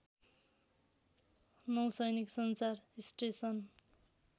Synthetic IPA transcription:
nʌwsʌjniksʌnt͡sarisʈesʌn

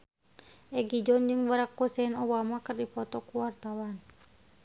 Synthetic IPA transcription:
ʔɛɡid͡ʒɔnd͡ʒɨŋbaɾakːusɛnɔbamakɨrdipɔt̪ɔkuwart̪awan

